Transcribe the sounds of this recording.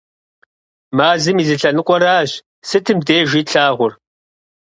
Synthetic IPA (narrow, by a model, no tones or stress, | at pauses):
maːzɨmiːzɨɬɐnɨqʷʼɔɾaːɕ | sɨtʰɨmdeːʒʷiːɬʰaːʁʷʊr